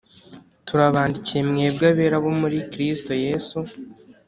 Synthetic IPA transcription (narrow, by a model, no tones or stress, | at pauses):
tuɾaβaːndicije̞mŋeebɡaβe̞ːɾaβomuɾikɾisto̞je̞su